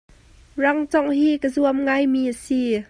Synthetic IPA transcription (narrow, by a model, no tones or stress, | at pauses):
raŋt͡sɔŋhiːkəzuəmŋajmiːʔəsi